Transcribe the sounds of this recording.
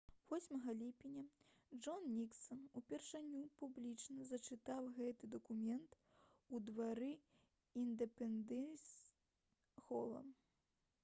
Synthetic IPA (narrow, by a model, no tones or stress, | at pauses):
vɔsʲmɐɣɐlʲipʲinʲɐ | d͡ʐɔnnʲiksɐnupʲɛrʂanʲupublʲit͡ʂnɐzɐt͡ʂɨt̪awɣɛt̪ɨd̪ɐkumʲɛnt̪ | ud̪vaɾɨ | ind̪ɛpʲɛnd̪ɛ | xɔlˠɐ̰m